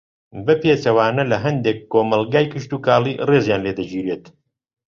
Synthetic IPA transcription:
bɐpet͡ʃɐwaːnɐlɐɦɐnd̪ekːoːmɐlɡaːjkɨʃt̪uːkaːliːreːzjaːnleːd̪ɐd͡ʒiːɾeːt̪

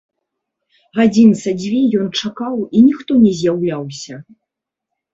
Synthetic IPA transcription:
ɣad͡zʲinsad͡zʲvʲijɔnt͡ʂakawinʲixt̪ɔnʲɛzʲjawlʲawsʲɐ

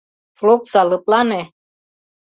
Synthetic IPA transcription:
floksalɨplanɛ

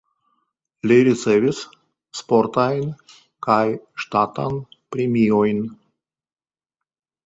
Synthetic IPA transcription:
liɾisevis | sːpoɾt̪ajn | kajʃt̪at̪a̰npɾemiojn

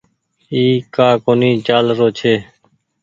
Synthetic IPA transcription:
iːkaːkoːniːt͡ʃaːlɾoːt͡ʃʰeː

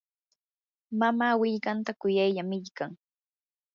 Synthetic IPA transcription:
mamaːwɪʎkant̪akʊjajʎamɪʎkaŋ

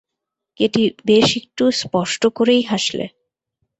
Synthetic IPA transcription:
keʈibeʃik̚ʈuspɔʃʈokoɾejɦaʃlḛ

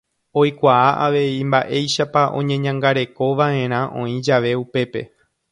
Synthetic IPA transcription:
o̞jkʷaaʔaʋe̞imbaʔe̞jʃapaʔõ̞̰ɲẽ̞ɲãŋɡaɾe̞ko̞ʋaẽ̞ɾ̃ãʔõ̞ĩd͡ʒaʋe̞upe̞pe̞

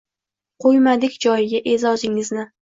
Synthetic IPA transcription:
qʰojmad̪ɪkʲd͡ʒɒjɪɡʲaʔezɒzɪŋɪznɪ

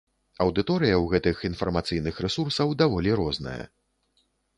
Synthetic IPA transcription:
ɐwd̪ɨt̪ɔɾɨjɐwɣɛt̪ɨxinfɐrmat̪sɨjnɨxrɛsursɐwd̪avɔlʲiɾɔznɐ̰jɐ̰

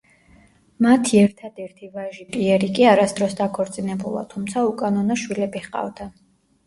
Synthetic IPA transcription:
mat̪ʰiɛɾt̪ʰad̪ɛɾt̪ʰivaʒipʼiɛɾikʼiaɾasd̪ɾɔsd̪akʰɔɾt̪sʼinɛbṵlˠa̰t̪ʰumt̪sʰaukʼanɔnaʃwilɛbiχqʼa̰vd̪a

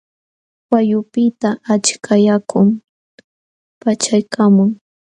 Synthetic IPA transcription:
wajʊpɪt̪aat͡ʃkajakʊŋ | pat͡ʃajkamʊŋ

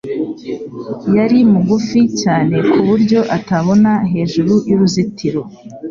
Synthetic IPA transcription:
jaɾimuɡuficaːne̞kʰuβuɾɟo̞ʔataβo̞naɦe̞ːʒuɾujuɾuzitʰiɾo̞

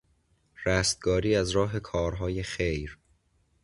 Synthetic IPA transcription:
ræst̪̚ɡ̥ɒːɾiːæzɾɒːɦe̞kʰɒːɾɦɒːjexejɾ

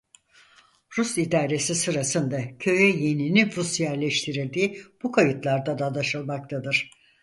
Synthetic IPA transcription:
ɾusid̪aːɾe̞sisɯɾasɯnd̪acʰø̞jɛje̞niniɾusjæɾlʲɛʃt̪ʰiɾilʲd̪iːb̥ukʰajɯt̪lˠaɾd̪ad̪ad̪aʃɯlˠmak̚t̪ʰad̪ɯɾ̥

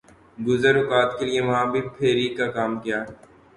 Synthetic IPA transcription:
ɡʊzəɾʊkaːt̪kelijeʋɐɦãːbʱipʰeːɾiːkakaːmkijaː

